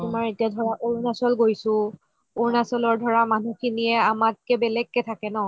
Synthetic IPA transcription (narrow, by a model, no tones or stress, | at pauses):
tʊmaɹetiadʱɔɹaʔoɹnasɔlɡojsʊ̃ | oɹnasɔlɔɹdʱɔɹamanukʰinijɛamat̚kɛbɛlɛkːɛtʰakɛnɔ